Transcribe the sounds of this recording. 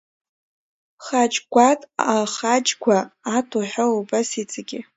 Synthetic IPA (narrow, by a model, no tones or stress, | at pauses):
χat͡ʃʼɡʷatʼaχat͡ʃʼɡʷaːtʰuħʷᶣaubasit͡sʼaɡʲɪ